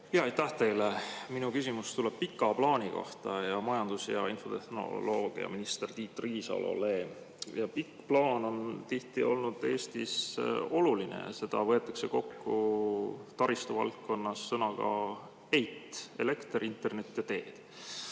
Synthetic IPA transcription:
hijɑɑjt̪æht̪e̞jleminukysimust̪uleb̥̚pikːˑɑplɑːniko̞̰ht̪ɑjɑmɑjɑnd̪̥usjɑ̰info̞̰t̪ehno̞̰lo̞ːɡ̥ḭɑ̰minist̪ert̪iːt̪ːriːsɑ̰lo̰le | jɑpikːplɑːno̞nt̪iht̪io̞̰lnud̪̥e̞ːst̪iso̞lulinḛɑ̰se̞d̪̥ɑvɤe̞t̪ːˑɑkse̞ko̞kːu | t̪ɑɾist̪uvɑ̰lt̪̚ko̞nːɑsːɤnɑɡ̥ɑ̰ | ejt̪ːe̞le̞kt̪rint̪e̞rne̞t̪ːˑjɑt̪e̞ːd̪̥

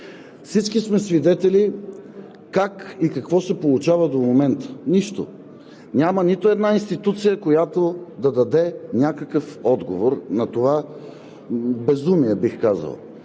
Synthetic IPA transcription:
fsit͡ʃkismɛsvid̪ɛt̪ɛli | kakikɐkvɔsɛpolˠut͡ʃavɐd̪omomɛnt̪ə̥niʃt̪o̰ | nʲamənit̪oɛd̪nainst̪it̪ut̪sijəkojat̪od̪ɐd̪ɐd̪ɛnʲakəkəfɔd̪ɡo̰voɾnɐt̪ova | bɛzumiɛbixkazə̰lˠ

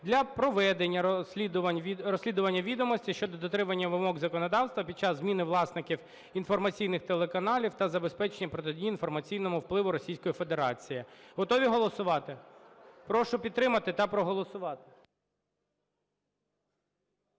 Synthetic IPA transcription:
d̪lʲɐpɾɔʋɛd̪e̞nʲːɐid̪ɐrɔsʲlʲid̪ʊʋɐnʲːɐʋʲid̪ɔmɔsʲtʲiʃt͡ʃɔd̪ɔd̪ɔt̪ɾɪmɐnʲːɐʋɪmɔɡzɐkɔnɔd̪ɑwst̪ʋɐpʲid̪̚t͡ʃɑzzmʲinɪʋlˠɑsnɪkʲiw | infɔrmɐt͡sʲijnɪxt̪elˠekɐnɑlʲiwt̪ɐzɐbe̞spɛt͡ʃenʲːɐpɾɔt̪̬edʲijinfɔrmɐt͡sʲijnɔmʊwplˠɪʋʊɾɔsʲijsʲkɔjifed̪eɾɑt͡sʲijiɦɔt̪ɔʋʲiɦɔlˠɔsʊʋɑt̪ɪpɾɔʃʊpʲid̪ɾɪmɐt̪ɪt̪ɐpɾɔɦɔlˠɔsʊʋɑt̪ɪ̥

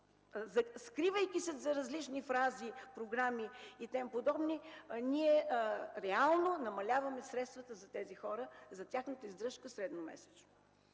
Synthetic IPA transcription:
zɐskɾivəjkʲisɛzɐɾɐzlit͡ʃnifɾazipɾoɡɾamiit̪ɛmpod̪ɔbniniɛɾɛalˠnonɐmɐlʲavɐmɛsɾɛt̪st̪vɐt̪əzɐt̪ɛzixɔɾəzɐt̪ʲjaxnət̪əizd̪ɾɤʃkəsɾɛd̪nomɛ̰sɛ̥t͡ʃ̪

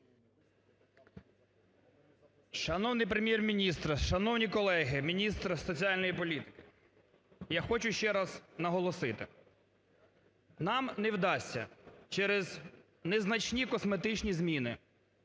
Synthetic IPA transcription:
ʃɐnɔwnɪjpɾemʲjɛrmʲinʲist̪rʃɐnɔwnʲikɔlˠɛɦɪmʲinʲist̪ɾsɔt͡sʲiɑlʲnɔjipɔlʲit̪ɪ̥kɪ̥ | jaxɔt͡ʃʊʃt͡ʃɛɾɑznɐɦɔlˠɔsɪt̪ɪ̰ | nɑmnɛwd̪ɑsʲːɐ̰t͡ʃɛɾɪz | nɛznɐt͡ʃnʲikɔsmet̪ɪt͡ʃnʲizmʲinɪ

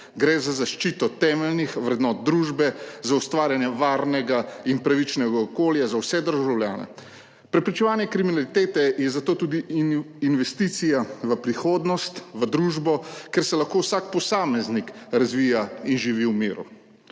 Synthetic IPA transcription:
ɡɾɛzazaʃt͡ʃiːt̪ɔt̪ɛmɛlnixʋɾɛd̪nɔːt̪̚d̪ɾuːʒbɛzaust̪ʋaːɾjanjɛʋaːɾnɛɡainpɾaʋit͡ʃnɛɡaɔkoːljazawsɛd̪əɾʒawljaːnɛ̰ | pɾɛpɾit͡ʃɛʋaːnjɛkɾiminalit̪eːt̪ɛjɛzat̪oːt̪uːd̪iinʋɛst̪iːt̪sijaʋəpɾixoːd̪nɔst̪ʋəd̪ɾuːʒbɔkɛɾsɛlaxkowsak̚pɔsaːmɛznikɾazʋiːjainʒiʋiwmiːɾṵ

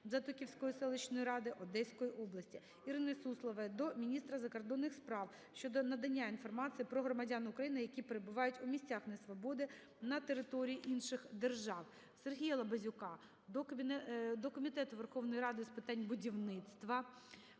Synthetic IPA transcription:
zɐt̪ʊkʲiwsʲkɔjisɛlˠɪt͡ʃnɔjiɾɑd̪ɪʔɔd̪ɛsʲkɔjiʔɔblˠɐsʲtʲi | iɾɪnɪsuslˠɐʋɐd̪ɔmʲinʲist̪ɾɐzɐkɔrd̪ɔnːɪxspɾɑw | ʃt͡ʃɔd̪ɔnɐd̪ɐnʲːainfɔrmɑt͡s̪ʲijipɾɔɦɾɔmɐdʲanʊkɾɐjinɪjɐkʲipeɾebʊʋɑjʊtʲʊmʲisʲt͡sʲaxnɛsʋɔbɔd̪ɪ | nɐt̪eɾɪt̪ɔɾʲijiʔinʃɪxd̪erʒɑw | serɦʲijɐlˠɐbɐzʲʊkɑ | d̪ɔkɔmʲit̪ɛt̪ʊʋerxɔwnɔjɾɑd̪ɪspɪt̪ɑnʲbʊdʲiwnɪt̪st̪ʋɐ

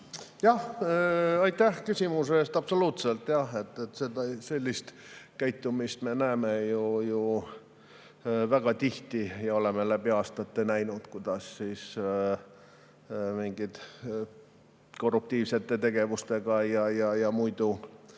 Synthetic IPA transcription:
jɑh | ɑjt̪ːˑæhkysʲimuseest̪ɑpso̞luːt̪selt̪jɑhe̞t̪ˑːet̪sed̪ɑse̞lʲːist̪kæjt̪ːˑumist̪me̞næemejuju | væɡ̥ɑt̪iht̪ijɑo̞le̞melæb̥iɑːst̪ɑt̪ːenæjnud̪̥kujd̪̥ɑsːiːs | miŋɡ̥it̪ | ko̞rup̚t̪iːvse̞t̪ːˑe̞t̪e̞ɡ̥e̞vust̪e̞ɡ̥ɑjɑjɑjɑmujd̪̥u

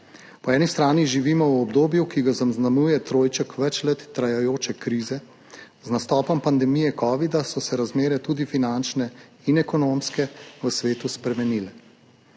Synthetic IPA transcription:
pɔɛːnist̪ɾaːniʒiʋiːmɔwɔbd̪oːbjukiɡazamznamujɛt̪ɾoːjt͡ʃəkʋɛt͡ʃlɛt̪ːɾajajoːt͡ʃɛkɾiːzɛ | znast̪ɔːpɔmpand̪ɛmijɛkɔːʋid̪asɔsɛɾazmeːɾɛt̪uːd̪ifinant͡ʃnɛinɛkɔnoːmskɛʋəsʋeːt̪uspɾɛmɛniːlɛ

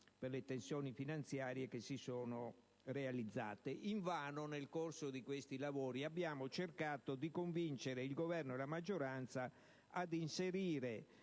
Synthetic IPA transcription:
perlet̪ensjɔːnifinant̪sjaːɾjekesːisɔːno | realid̪zːa̰ːt̪eʔiɱvaːnonelkorsod̪ikwest̪ilavoːɾiabːjaːmot͡ʃerkaːt̪od̪ikoɱvint͡ʃeɾeilɡovɛrnoɛlamad͡ʒːoɾant̪sa | ad̪inseɾiːɾe

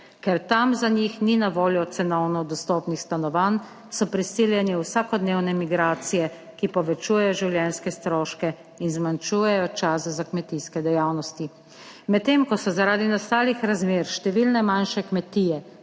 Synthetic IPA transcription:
kɛɾt̪amzaɲixninaʋoːljɔt̪sɛnɔwnɔd̪ɔst̪ɔːpnixst̪anɔʋan | sɔpɾisiːljɛniwsakɔd̪neːwnɛmiɡɾaːt̪sijɛ | kipɔʋɛt͡ʃuːjɛjɔʒiwljɛnskɛst̪ɾɔːʃkɛ | inzmant͡ʃuːjɛjɔt͡ʃaːszakmɛt̪iskɛd̪ɛjaːwnɔst̪i | mɛt̪ːemkɔsɔzaɾaːd̪inast̪aːlixɾazmeːɾʃt̪ɛʋilnɛmanʃɛkmɛt̪iːjɛ

